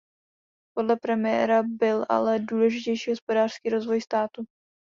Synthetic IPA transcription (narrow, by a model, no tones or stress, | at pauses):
po̞dlɛpɾɛmɪjɛ̰ɾabɪlʔa̰lɛduːlɛʒɪcɛjʃiːɦospo̞daːr̥skiːɾo̞zvo̞jst̪aːt̪u